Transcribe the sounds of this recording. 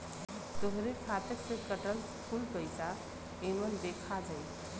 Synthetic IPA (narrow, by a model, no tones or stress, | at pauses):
t̪oɦɾekʰat̪əksẽkəʈəlskʰulpəɪsa | emənd̪ekʰad͡ʒaj